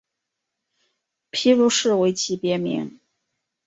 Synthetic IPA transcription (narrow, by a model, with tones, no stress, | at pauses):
pʰi˥ɻu˧˥ʂɻ̩˥˩we˧˥ɪt͡ɕʰi˧˥pjɛ˧˥mḭ˧˥ŋ